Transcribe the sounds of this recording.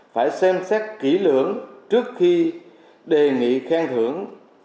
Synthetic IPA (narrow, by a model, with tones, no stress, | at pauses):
faː˧˩jsɛ˧msɛ˦˥t̚ki˧˩lɨ˧˩əŋt͡ɕɨ˦˥ək̚xi˧ | ɗe˨˩ŋḭ˧˨xaː˧ŋt̪ʰɨ˧˩əŋ